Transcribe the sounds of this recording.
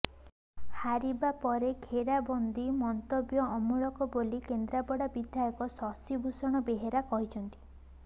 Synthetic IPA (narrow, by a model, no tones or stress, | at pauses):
haɾibapɔɾeɡʱeɾabɔnd̪imɔnt̪objɔɔmuɭɔkɔbolikend̪ɾabɔɽabid̪ʱjajɔkɔsɔsibʱusɔɽ̃ɔbeɦeɾakɔɦit͡ʃʰɔnt̪i̥